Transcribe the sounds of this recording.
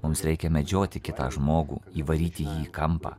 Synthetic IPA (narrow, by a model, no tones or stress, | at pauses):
mʊmsɾʲɛɪkʲɛmʲɛd͡ʒʲoːt̪ʲɪkʲɪt̪ɑ̰ːʒmoːɡṵːiːʋɐɾʲiːt̪ʲɪjiːkɐmpɑ̰ː